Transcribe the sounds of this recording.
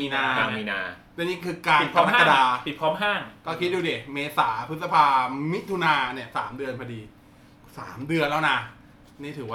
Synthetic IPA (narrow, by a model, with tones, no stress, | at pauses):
miː˧naː˧aː˧miː˧naː˧ | t͡ɕɛ˧niː˥kʰɯː˧kaː˧˩pʰɔː˧˦mː˦˥ka˥˧daː˧pi˨˩pʰɔː˦˥mɦaː˥˩ŋkɔː˥˩kʰi˦˥t̪̚duː˧di˨˩meː˧saː˩˦pʰɯ˦˥sa˧pʰaː˧mi˦˥t̪ʰu˧naː˧ni˥˩ɐsa̰ː˩˦mdɯ˧ənpʰa˧diː˧ | sa̰ː˩˦mdɯ˧ənlɛː˦˥wna˦˧˩ | niː˥˩t̪ʰɯː˩˦waː˥˩